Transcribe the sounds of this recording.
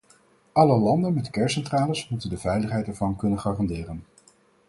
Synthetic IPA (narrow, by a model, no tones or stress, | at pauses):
ʔɑləlɑndənmɛtkɛɹsɛntraːləsmutəndəvɛjləχɦɛjtɛɹvɑnkɵnənχaːrɑndɪːrən